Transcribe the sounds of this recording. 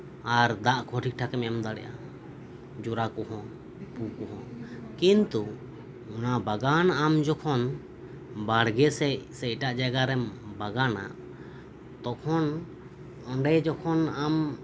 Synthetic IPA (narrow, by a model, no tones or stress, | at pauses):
aɾd̪aʔkʰɔʈʰik̚ʈʰakɛmɛamd̪aɽɛ̰ʔa̰ | d͡ʒuɾakɔɦɔ̃ | pukɔɦɔ̃kint̪u | ɔnabaɡanamd͡ʒɔkʰɔn | baɽɡɛsɛsɛʈaʔd͡ʒaɡaɾɛmbaɡana̰ʔ | t̪ɔkʰɔn | ɔɳɖɛd͡ʒɔkʰɔnam